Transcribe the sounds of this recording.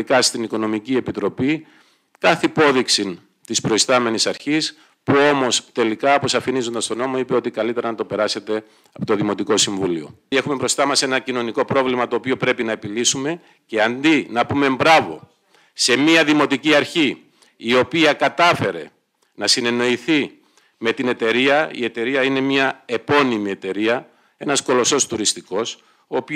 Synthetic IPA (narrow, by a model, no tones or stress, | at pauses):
ikɐst̪iniko̞no̞micie̞pit̪ɾo̞pi | kɐθipo̞ðiksin | t̪ispɾo̞ist̪ɐme̞nisɐɾçis | puo̞mo̞st̪e̞likɐposɐfinizo̞nd̪ɐst̪o̞no̞mo̞ipe̞o̞t̪ikɐlit̪e̞ɾɐnɐt̪o̞pe̞ɾɐse̞t̪e̞ | ɐpot̪o̞ðimo̞t̪iko̞siɱvulio̞̰ | e̞xume̞bɾo̞st̪ɐmɐse̞nɐcino̞niko̞pɾo̞vlimɐt̪o̞ːpio̞pɾe̞pinɐe̞pilisume̞ | ce̞ɐnd̪inɐpume̞mbɾɐvo̞̰ | se̞miɐðimo̞t̪iciɐɾçiː | o̞piɐkɐt̪ɐfe̞ɾe̞̰ | nɐsine̞no̞iθi | me̞t̪ine̞t̪e̞ɾiɐḭe̞t̪e̞ɾiɐine̞mɲɐe̞po̞nimie̞t̪e̞ɾiɐ | e̞nɐsko̞lo̞so̞st̪uɾist̪iko̞s | oːpi